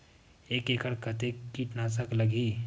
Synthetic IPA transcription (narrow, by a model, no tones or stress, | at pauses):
eːkekəɽkət̪ekːiʈnasəkləɡiː